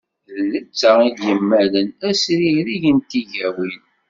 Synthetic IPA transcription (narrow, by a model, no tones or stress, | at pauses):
ðnət͡sːəid̪jəmːælənæsɾihɾiʝənt̪iʝæwin